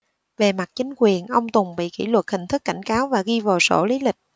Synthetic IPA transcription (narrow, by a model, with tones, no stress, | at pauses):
ve˨˩ma˨˩t̚t͡ɕï˨˦ŋ̟kwi˨˩ənʔə˧wŋ͡mt̪ʊ˨˩ŋ͡mɓḭ˧˨ki˧˩lwə˨˩t̚hï˨˩ŋ̟t̪ʰɨ˦˥k̚ːa˧˩jŋ̟kaː˨˦wvaː˨˩ɣi˧vaː˨˩so̰˧˩li˨˦lï˨˩k̟̚